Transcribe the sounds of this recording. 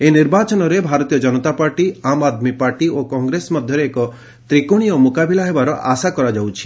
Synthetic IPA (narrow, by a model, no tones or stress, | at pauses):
eniɾbat͡ʃɔnɔɾebʱaɾɔt̪ijɔd͡ʒɔnɔt̪apaɾʈiamad̪mipaɾʈiokɔŋɡɾesmɔd̪ʱjɔɾeːkɔ | t̪ɾikoɽ̃ijɔmukabilaɦebaɾɔʔasakɔɾad͡ʒawt͡ʃʰi̥